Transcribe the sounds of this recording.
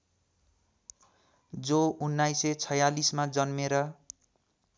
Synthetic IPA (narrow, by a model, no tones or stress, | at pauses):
d͡zounːajset͡sʰʌjalismad͡zʌnmeɾʌ